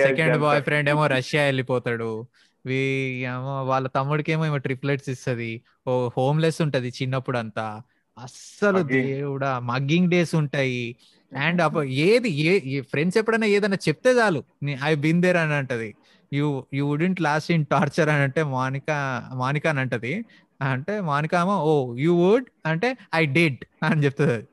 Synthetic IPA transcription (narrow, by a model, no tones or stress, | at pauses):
sekeɳɖbɔːjpʰɾe̞ɳɖeːmo̞ːɾɐʂjaːelːipɔːt̪aːɽu | ʋiemoːʋaːɭːɐt̪ɐmːuɽuke̞ːmoimoːʈɾipleʈsist̪ɐd̪i | oho̞ːmlesuɳʈɐd̪it͡ʃinːɐpːuɽɐnt̪aː | ɐsɐlud̪euɽamɐɡiŋɡɖe̞ːsuɳʈaːji | ɐɳɖɐpeːd̪iepʰɾeɳɖsepːɐɽɐnaːeːd̪ɐnːaːt͡ʃep̚t̪eːd͡ʒaːlunɐjbind̪eːɾɐnɐɳʈɐd̪i | jujuuɖiɳʈlaːsinʈaːɾt͡ʃɐɾɐnɐɳʈe̞ːmaːnikamaːnikɐnɐɳʈɐd̪i | ɐɳʈe̞ːmaːnikaːmaoːjuːwuɖ | ɐɳʈe̞ːɐjɖiɖɐnit͡ʃep̚t̪unɐd̪i